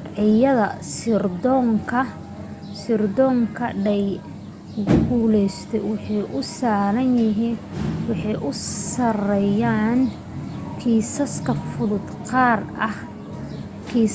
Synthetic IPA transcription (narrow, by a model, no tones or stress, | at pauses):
ʕɪjɐðɐsɪrd̪ɔŋkʰɐ | sɪrd̪ɔːŋkʰɐɖɛj | ɡʊɡuːlɛjst̪ʰɛwʊħiːʔʊsaːɾɐnjɪɦiːnwɑħɑjʔʊsɐrɛjaːn | kʰiːsɐskʰɐfʊðʊd̪qɑːrʔɐh | kʰiː